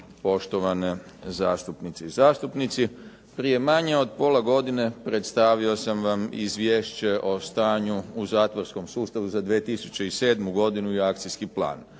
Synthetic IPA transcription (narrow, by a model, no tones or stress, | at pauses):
po̞ʃt̪o̞ʋanezaːst̪upnit̪siizaːst̪upnit̪si | pɾije̞maɲe̞o̞d̪po̞ːlˠaɡo̞d̪ine̞pɾet̪st̪aːʋio̞samʋamḭzʋjeːʃt͡ɕe̞ʔo̞st̪aːɲuːzaːt̪ʋoɾsko̞msuːst̪aʋuzad̪ʋiet̪isu̥t͡ɕeise̞ːd̪muɡo̞d̪inuiak̚t̪sijskiplˠa̰ːn